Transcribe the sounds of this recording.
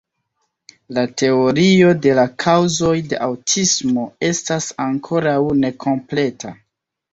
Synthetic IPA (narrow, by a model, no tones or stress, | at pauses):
late̞o̞ɾio̞de̞lakʰawzo̞jde̞̰ʔawtʰismo̞e̞stasaŋkʰo̞ɾawne̞kʰo̞mple̞tʰa̰